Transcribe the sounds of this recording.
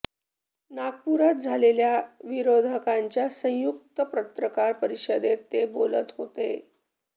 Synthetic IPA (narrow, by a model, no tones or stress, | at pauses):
naɡ̚puɾat̪̚d͡zʱaleljaʋiɾod̪ʱəkaɲt͡ɕjasə̃juk̚t̪əpɾət̪ɾəkaɾpəɾiɕəd̪et̪ːebolə̰t̪ɦot̪ḛ